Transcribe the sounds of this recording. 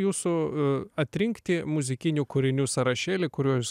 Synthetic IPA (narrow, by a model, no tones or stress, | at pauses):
juːsʊɐt̪ʲɾʲɪŋkt̪ʲɪmʊzʲɪkʲɪnʲuːkʊɾʲɪnʲuːsɐɾɐʃʲeːlʲɪkʊɾʲuɔjʊs